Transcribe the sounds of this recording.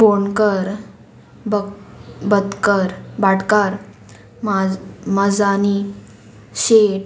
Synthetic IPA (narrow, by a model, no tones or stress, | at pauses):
boɳkəɾ | bəbəd̪kəɾbaʈkaɾ | mməd͡zani | ɕeʈ